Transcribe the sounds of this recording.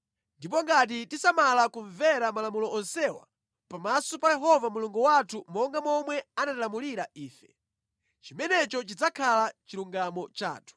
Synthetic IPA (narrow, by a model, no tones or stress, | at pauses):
ndip̬ɔŋɡat̬itisamalakuɱvɛɾamalamulɔʔɔnsɛwa̰ | pamasɔpajɛɦɔvamuluŋɡuwatʰumɔŋɡamɔmwɛanatalamuliɾaʔiːfɛ̰ | t͡ʃimɛnɛt͡ʃɔt͡ʃid͡zakʰalat͡ʃiɾuŋɡamɔt͡ʃa̰ːtʰu̥